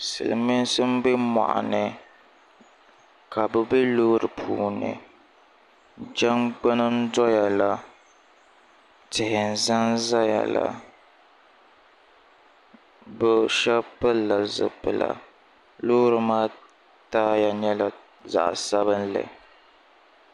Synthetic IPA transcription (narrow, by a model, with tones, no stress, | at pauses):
sɨ̰˨lɨ˨mi˦n˦sɨ˦m̩˦bɛ˦ma̰˨ʔa̰˨nɨ˨ | ka˨bɛ˦bɛ˦loː˦ɾɨ˨pʰuː˦nɨ̰˨ | d͡ʒɛ˦ŋɡ͡ba˦nɨ˦n˦dɔ˦ja˨la˨ | tɪ˨hɪ˨n̩˨za˦nza˦ja̰˨la̰˨ | bɛ˨ʃɛ˦pɨ˦la˨zɨ̰˨pːɨ˨la̰˨ | loː˦ɾɨ˨maː˦ | taː˦ja˨ɲɛ˦la˨ | za̰˨ʔsa˦βɨ˦nlɨ̰˨